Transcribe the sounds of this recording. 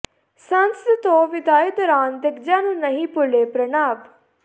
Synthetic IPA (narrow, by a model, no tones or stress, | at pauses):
sənst̪õːʋɪd̪aːjed̪ɔːɾaːnd̪ɪkʰd͡ʒãːnũːnəɦĩpʊleːpɾənaːb